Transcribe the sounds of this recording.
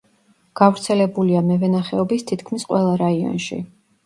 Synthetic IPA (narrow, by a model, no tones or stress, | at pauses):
ɡ̥avɾt̪sʰɛlɛbuliamɛvɛnaχɛɔbist̪ʰit̪ʰkʰmisqʼwɛlˠaɾaiɔ̰nʃḭ